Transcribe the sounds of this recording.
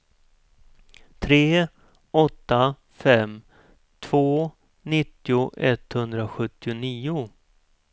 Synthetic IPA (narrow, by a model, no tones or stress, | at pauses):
t̪ʰɾeː | ɔt̪ːa | fɛm | t̪ʰv̥oː | nɪt̪ːɪʊʔɛt̪ːhɵnd̪ɾaɧɵt̪ːɪʊniːʊ